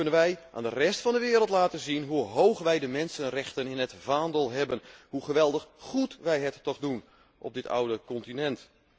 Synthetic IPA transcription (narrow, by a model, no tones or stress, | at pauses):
kɵnənʋɛjʔa̰ːndərɛstfɑndəʋɪːɾəlˠtlaːtənzinɦuɦowχʋɛjdəmɛnsənrɛxtənɪnətvaːndəlˠɦɛbənhuχəʋɛlˠdəχχutʋɛjɦətːɔχdun | ʔɔ̰p̚b̚dɪtʰa̰wdəkɔntinɛnt